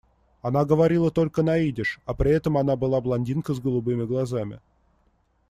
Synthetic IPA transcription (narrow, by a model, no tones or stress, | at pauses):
ɐnaɡəvɐɾʲilˠət̪o̞lʲkənɐidʲɪʂɐpɾʲɪɛt̪əmɐnabɨlˠablˠɐnʲdʲinkəzɡəlˠʊbɨmʲɪɡlˠɐzamʲɪ̰